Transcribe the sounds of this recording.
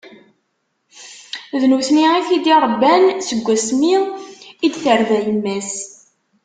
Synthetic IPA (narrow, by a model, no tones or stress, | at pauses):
ðnuθniiθid̪iɾˤəbːænsəɡʷːæsmiid̪θəɾvæjəmːæs